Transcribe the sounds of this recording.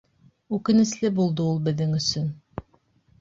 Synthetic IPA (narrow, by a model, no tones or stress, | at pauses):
ʉkɘ̆nɘ̆slɘbulˠd̪ɤulˠbɘ̆ðːɘŋɵ̆sɵn